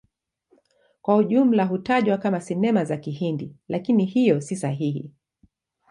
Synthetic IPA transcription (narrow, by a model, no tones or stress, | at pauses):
kwauʄum̩laɦutaʄwakamasɛnɛmazakihindilakinihijɔsisaɦihḭ